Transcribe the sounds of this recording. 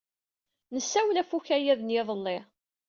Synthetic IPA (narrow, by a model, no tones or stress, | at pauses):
nəsːæwlæfuçæjæðənjeðˤəlːɪ